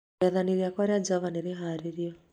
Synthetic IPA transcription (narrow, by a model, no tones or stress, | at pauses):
ɛðaniɾiakwaɾjad͡ʒaβaniɾiɦaɾiɾiɔ